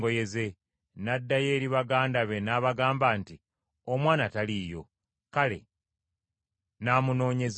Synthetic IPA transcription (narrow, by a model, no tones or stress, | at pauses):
ɡoje̞ze̞ | nadːaje̞ːɾiβaɡaːndaβe̞naːβaɡaːmbaːnti | omwaːnataliːjo̞̰ | kale̞̰ | naːmuno̞ːɲe̞z